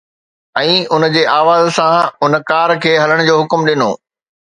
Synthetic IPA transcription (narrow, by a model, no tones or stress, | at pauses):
ɛ̃ːʊnəd͡ʑeːʔaːʋaːzsãʊnkaːɾkʰeːɦɐləɽ̃d͡ʑoːɦʊkmɗɪno̰ː